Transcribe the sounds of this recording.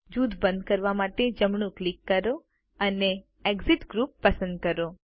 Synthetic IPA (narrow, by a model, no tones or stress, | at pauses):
d͡ʒud̪bənd̪̚kəɾʋamaʈed͡ʒəmɳũklikːəɾo | əne | eɡziʈɡɾupːəsə̃nd̪̚kəɾo